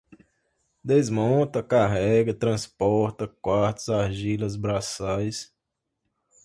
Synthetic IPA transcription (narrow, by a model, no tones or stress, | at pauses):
d̪ezmõt̪ɐkaɦɛɡɐt̪ɾɐ̃spɔɾt̪ɐkwaɾt̪ʊzaɾʒilɐzbɾasajs